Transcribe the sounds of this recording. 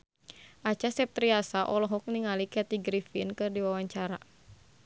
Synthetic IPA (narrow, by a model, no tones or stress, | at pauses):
ʔat͡ʃasɛp̚t̪ɾiasaʔɔlɔɦɔk̚niŋalikɛt̪iɡɾifinkɨrdiwawaɲt͡ʃaɾa